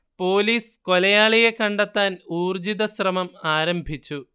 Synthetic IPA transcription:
po̞ːliːsko̞lɐjaːɭijekɐɳɖɐt̪ːaːnuːrd͡ʑiðɐɕrɐmɐmaːɾɐmbʱit͡ɕːu

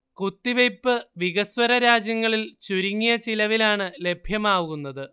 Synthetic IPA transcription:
kut̪ːiʋejpːɨʋiɣɐswɐɾɐɾaːd͡ʑjɐŋːɐɭilt͡ɕuɾiŋːijɐt͡ɕilɐʋilaːɳɨle̞bʱjɐmaːʋuɣunːɐðɨ

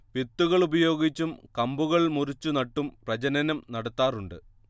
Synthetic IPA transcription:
ʋit̪ːuɣɐɭubɐjo̞ːɡit͡ɕːumkɐmbuɣɐɭmurit͡ɕːunɐʈːumprɐd͡ʑɐnɐnɐmnɐɽɐt̪ːaːruɳɖɨ

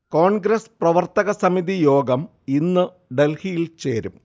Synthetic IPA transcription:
ko̞ːɳɡɾɐsprɐʋɐrt̪ɐɣɐsɐmiðijo̞ːɡɐm | inːɨ | ɖe̞lhijilt͡ɕe̞̰ːɾum

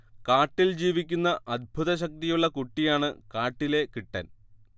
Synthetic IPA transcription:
kaːʈːild͡ʑiːʋikʲːunːɐʔɐd̪̚bʱuðɐɕ̬ɐk̚t̪ijuɭːɐkuʈːijaːɳɨkaːʈːile̞kiʈːɐ̰n

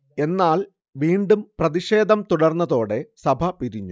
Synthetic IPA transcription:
e̞nːaːl | ʋiːɳɖumprɐðiɕe̞ːd̪ʱɐmt̪uɽɐrnːɐðo̞ːɽe̞sɐbʱɐpiɾiɲːu

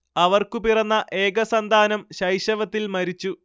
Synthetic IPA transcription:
ɐʋɐrkupirɐnːɐʔe̞ːɡɐsɐnd̪ʱaːnɐmɕɐjɕɐʋɐt̪ːilmɐɾit͡ɕːu

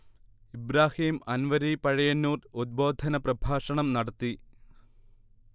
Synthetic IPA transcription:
ibɾaːhiːmɐnʋɐɾipɐɻɐjɐnːuːrud̪̚bo̞ːd̪ʱɐnɐprɐbʱaːʂɐɳɐmnɐɽɐt̪ːi

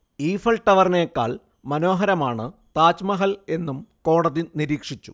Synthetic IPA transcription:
iːfɐlʈːɐʋɐrneːkːa̰ːɭ | mɐno̞ːɦɐɾɐmaːɳɨt̪aːt͡ɕmɐɦɐle̞nːumko̞ːɽɐðiniɾiːkʂit͡ɕːu̥

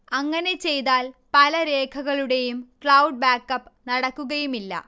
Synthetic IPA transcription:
ɐŋːɐne̞t͡ɕe̞jt̪aːlpɐlɐɾe̞ːkʰɐɣɐɭuɽe̞jumkɭɐwɖ̚baːkːɐpːnɐɽɐkːuɣɐjumilːɐ̰

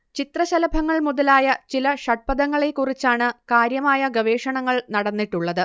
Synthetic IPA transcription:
t͡ɕit̪rɐɕɐlɐbʱɐŋːɐɭmuðɐlaːjɐt͡ɕilɐʂɐʈ̚pɐðɐŋːɐɭe̞kːurit͡ɕːaːɳɨkaːɾjɐmaːjɐɡɐʋe̞ːʂɐɳɐŋːɐɭnɐɽɐnːiʈːuɭːɐðɨ

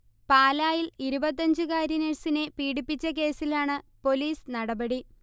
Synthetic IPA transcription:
paːlaːjiliɾubɐt̪̬ːɐɲd͡ʑɨkaːɾɐneɻsine̞piːɽipːit͡ɕːɐk̬e̞ːsilaːɳɨpo̞liːsnɐɽɐbɐɽi

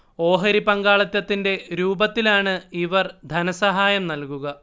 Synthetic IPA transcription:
o̞ːɦɐɾipɐŋɡaːɭɐt̪jɐt̪ːinde̞ɾuːbɐt̪ːilaːɳɨiʋɐrd̪ʱɐnɐsɐɦaːjɐmnɐlkuɣɐ

